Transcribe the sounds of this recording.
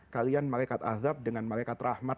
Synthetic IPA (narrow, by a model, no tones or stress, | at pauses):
kalianmalajkat̪a̰ðap̚dəŋanmalajkat̪rahma